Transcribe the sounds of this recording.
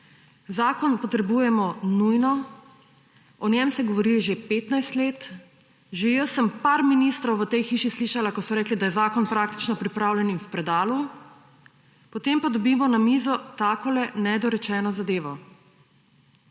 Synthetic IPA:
zaːkɔnpɔt̪ɾɛbujɛmɔnujnɔ | ɔnʲjɛmsɛɡɔʋɔɾilʒepeːt̪najst̪leːt̪ | ʒɛʋeːwsəmpaɾminist̪ɾowʋət̪ɛjxiːʃisliːʃalakɔsɔɾɛːklid̪ajɛzaːkɔnpɾaːk̚t̪i̥t͡ʃnɔpɾipɾaːwljɛniwpɾɛd̪aːlu | pɔt̪empad̪ɔbiːmɔnamiːzɔt̪aːkɔlɛnɛd̪ɔɾɛt͡ʃɛːnɔzad̪eːʋɔ

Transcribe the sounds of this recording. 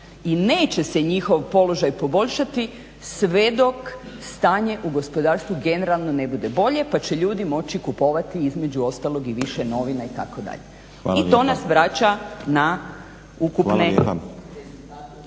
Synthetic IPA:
ine̞ːt͡ɕe̞se̞ɲixo̞ʋpo̞lo̞ʒajpo̞bo̞ʎʲʃat̪i | sʋe̞d̪o̞kst̪aːɲe̞ʔuɡo̞spo̞d̪aːɾst̪ʋuɡe̞neɾalˠno̞ne̞bud̪e̞bo̞ʎe̞pat͡ɕeʎuːd̪imo̞t͡ɕikupo̞ʋat̪iizme̞d͡ʑuo̞st̪alo̞ɡiʋiʃeno̞ʋinait̪a̰ko̞d̪a̰ʎe | it̪o̞nasʋɾat͡ɕana | ukupne

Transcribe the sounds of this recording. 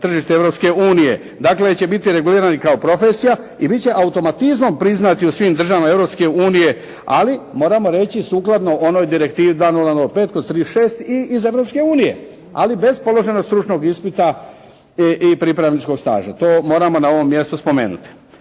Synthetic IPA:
t̪r̩ʒiʃt̪eeʋɾo̞pske̞uːnije̞̰ | d̪akle̞t͡ɕe̞bit̪iɾe̞ɡuliːɾanikaopɾo̞fe̞sija | ibit͡ɕe̞ʔaut̪o̞mat̪izmo̞mpɾiznat̪iusʋimd̪r̩ʒaʋamaeʋɾo̞pske̞uːnije̞ | a̰limo̞ːɾamo̞ɾe̞t͡ɕisuːklˠad̪no̞ʔo̞no̞jd̪iɾe̞kt̪iːʋid̪ʋaːnulanulpe̞ːt̪ko̞d̪̚t̪ɾiːʃe̞ːst̪iːze̞ʋɾo̞pske̞uːnije̞̰ | a̰libe̞zpo̞lˠo̞ʒenost̪ɾut͡ʃno̞ɡispit̪a | ʔipɾipɾaʋnit͡ʃko̞ɡst̪a̰ːʒa̰t̪o̞ːmo̞ːɾamo̞nao̞ʋo̞mːje̞st̪uspo̞me̞̰ːnṵt̪i̥

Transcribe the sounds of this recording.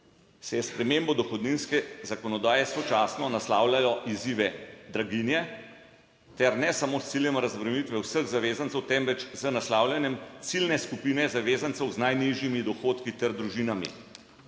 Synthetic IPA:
sɛjɛspɾɛmembɔd̪ɔxɔd̪niːnskɛzakɔnɔd̪aːjɛsɔt͡ʃaːsnɔnaslaːwljajɔʔiziːʋɛd̪ɾaɡinjɛ | t̪ɛɾnɛsamoːst̪iljɛmɾazbɾɛmnit̪ʋɛwsəɣzaʋeːzant̪əwt̪ɛmʋɛt͡ʃzənaslaːwlʲjanjɛmt̪silnɛskupiːnɛzaʋeːzant̪səwznajniʒjimid̪ɔxoːt̪kit̪ɛɾd̪ɾuʒiːnamḭ

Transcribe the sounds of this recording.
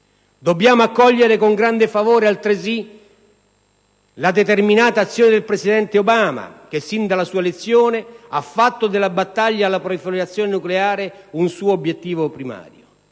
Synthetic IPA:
d̪objaːmʊakːɔʎːeɾekoŋɡɾand̪ɪfavoːɾealt̪ɾɪs̬i | lad̪et̪erminaːt̪at̪sːjoːned̪elpɾesid̪ɛnt̪eobaːma̰k̟esːind̪alasuːaelet̪sːjoːneafːat̪ːod̪ɪlːabat̪ːaʎːaːlːapɾofolat̪sːjoːnɪnukleaːɾeunsuːoobjet̪ːiːvopɾima̰ːɾjo

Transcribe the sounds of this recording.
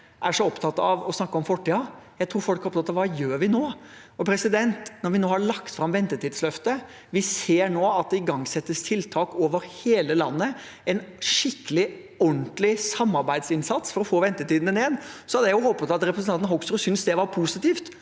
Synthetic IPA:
ʔæʂɔɔpt̪ʰɑt̪ːɑʋɔsnɑkːɔmfɔʈːiːɑjæɪt̪ʰɾuːɾfɔlkɑɾɔpt̪ʰɑt̪ːɑʋɑjøːɾʋɪnoːɔɾpʰɾɛsɪd̪ɛnt̪nɔɾʋɪnoːhɑɭɑkt̪fɾɑmʋɛnt̪ət̪iːd̪slœft̪ə | ʋɪseːɾɳoːɑt̪̚d̪ɛɪɡɑŋːsɛt̪ːəst̪ʰɪlt̪ʰɑːkoːʋəɾheːləlɑ̰nːə | ɛnʂɪkːəlɪ | ɔnt̪lɪsɑmːɑɾbæɪd̪sɪnsɑt̪sfɔɾɔfoːʋɛnt̪ət̪iːd̪nəneːd̪sɔhɑd̪jæjʊhoːpət̪ɑt̪ɾɛpɾəsnɑnnhɔksɾʊsʏnsd̪ɛʋɑɾpʰusɪt̪iːft̪

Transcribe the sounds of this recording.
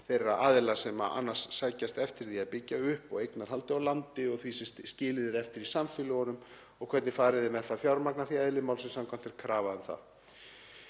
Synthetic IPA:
θejɾɾaaːðɪlasɛma̰ʔa̰nːar̥sːaːjcast̪ɛft̪ɪɾ̥θiaðpɪcːaʏhpɔɣejknaɾ̥ɦhalt̪ɪawlant̪ɪɔɣθvisɛsscɪːlɪðɪɾɛft̪ɪɾisamfɪlʏɔnʏm | ɔɣkʰvɛt̪nɪfaːɾɪðɪmɛðθafjawɾmaknaθjajðɪlɪmawlsʏmsamkʰam̥t̪ɪɾ̥kʰɾaːvaðʏmθa̰

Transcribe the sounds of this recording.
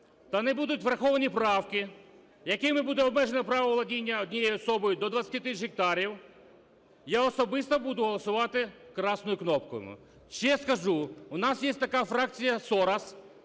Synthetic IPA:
t̪ɐnɛbud̪ʊtʲʋɾɐxɔʋɐnʲipɾɑwkɪ | jɐkɪmɪbud̪ɛɔb̚mɛʒenɐpɾɑʋɔʋlˠɐdʲinʲːɐɔdʲnʲijejʊɔsɔbɔjʊd̪ɔd̪ʋɐt͡sʲɐ̥t̪ɪt̪ɪʒɦɪk̚t̪ɑɾʲiw | jaɔsɔbɪst̪ɐbud̪ʊɦɔlˠɐsʊʋɑt̪ɪkɾɑsnʊjʊknɔp̚kʊ̰ | ʃɛskɐʒuʊnɑsjesʲt̪ɐkɑfɾɑk̚t͡sʲijɐsɔɾɐs

